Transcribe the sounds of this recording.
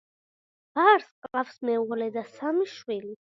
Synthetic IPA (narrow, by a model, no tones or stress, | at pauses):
b̥aɾsqʼafsmɛɔlɛd̪asamiʃwili